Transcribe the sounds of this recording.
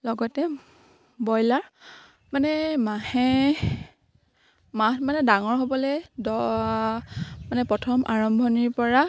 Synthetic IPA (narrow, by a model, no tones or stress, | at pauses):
lɔɡɔtɛ | bɔjlaɹ | manɛmahɛ | matmanɛdaŋɔɹɦobɔlɛdɔ | manɛpɹɔtʰɔmʔaɹɔmbʱɔniɹpɔɹa